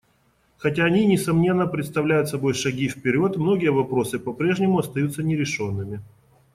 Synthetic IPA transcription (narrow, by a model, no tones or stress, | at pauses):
xɐt̬ʲaːnʲinʲɪsɐmnʲe̞nːəpɾʲɪt̪st̪ɐvlʲæjʊt̪sɐbo̞jʂɐɡʲifpʲɪɾʲo̞t̪mno̞ɡʲɪjəvɐpɾo̞sɨpɐpɾʲe̞ʐnʲɪmʊɐst̪ɐjut̪sənʲɪɾʲɪʂo̞nːɨmʲɪ